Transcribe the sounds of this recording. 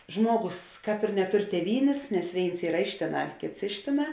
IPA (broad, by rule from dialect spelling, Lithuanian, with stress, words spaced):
ˈʒmuɔˌɡʊs ˈkɑːp ɪr nʲɛˈtʊr tʲeːˈʋʲiːnʲeːs nʲɛs ˈʋʲeːɪns ˈiːrɐ ˈɪʃ tʲeːˌnɑː ˈkʲeːts ˈɪʃ tʲeːˌnɑː